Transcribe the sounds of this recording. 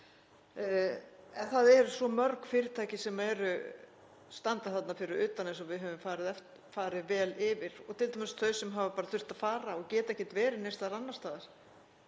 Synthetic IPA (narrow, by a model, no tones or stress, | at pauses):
ɛnθaðɛɾsɔmœɾkfɪːɾɪt̪ʰaːjcɪsɛmaɛɾʏ | st̪ant̪aθat̪nafɪɾɪɾʏːt̪anːesɔvɪðɦœvʏmfaːɾɪðɛft̪ | faːɾɪðvɛːlɪvɪɾɔɣt̪ʰɪlt̪amɪst̪θœɥsɛmɦaːvapaːɾaθʏr̥t̪aðfaːɾaɔɣcɛːt̪aɛhcːɪt̪vɛːɾɪnest̪aɾanːast̪aːðaɾ̥